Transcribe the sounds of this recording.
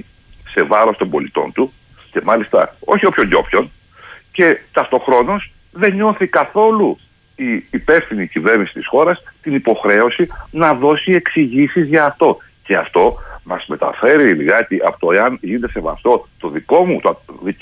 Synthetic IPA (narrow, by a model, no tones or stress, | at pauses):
se̞vɐɾo̞st̪o̞mbo̞lit̪o̞̰nt̪u | ce̞mɐlist̪ɐ̰o̞̰çio̞pço̞ɲɟo̞̰pço̞n | ce̞t̪ɐft̪oxɾo̞no̞s | ðe̞ɲo̞θikɐθo̞lu | iːpe̞fθinicive̞ɾnisi̥t̪i̥sxo̞ɾɐst̪inipo̞xɾe̞o̞sinɐðo̞sie̞ksiʝisizʝɐːft̪o̞ | ce̞ɐft̪o̞mɐzme̞t̪ɐ̰fe̞ɾiliɣɐt̪iʔɐ̰pot̪oeɐnʝinet̪ese̞vɐ̰st̪o̞t̪o̞ðiko̞mut̪ði